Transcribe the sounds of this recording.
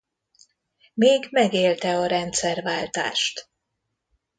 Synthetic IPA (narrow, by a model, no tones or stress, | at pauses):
meːɡmɛɡeːlt̪ɛɒɾɛnt̪sɛrvaːlt̪a̰ːʃt̪